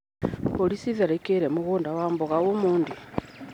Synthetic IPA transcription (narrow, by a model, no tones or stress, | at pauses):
polisiðaɾekeɾemuɣuːndawaːmboɣaɣumuːndi